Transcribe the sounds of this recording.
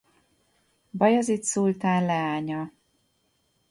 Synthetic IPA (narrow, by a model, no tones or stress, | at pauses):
bɒjɒzit̪sult̪aːnlɛaːɲɒ